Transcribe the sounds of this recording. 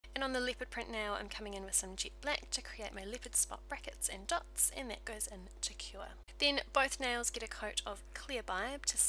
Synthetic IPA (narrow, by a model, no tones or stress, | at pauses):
ɨ̃nə̃nðəlɪpɨd̚pʰɹ̥ɪ̃nʔnaʊã̰ɪ̃mkʰʌmɪ̃ŋɪ̃nwɨð̥sʌ̃md͡ʒit̚b̥læk̚tʰɨkʰɹ̥ieɪʔ̚maɪlɪpɨd̥spɑ̰t̚b̥ɹækɨtsɨ̰̃ndʌtsɨ̰̃nðɨt̚ɡ̥əʊzɪ̃ntʰɨkʰj̥ɔ | ðɨ̃nb̥əʊθneɪlˠzɡɛɾɨkʰəʊɾəv̥kʰl̥ɪəbaɪb̥̚tʰɨs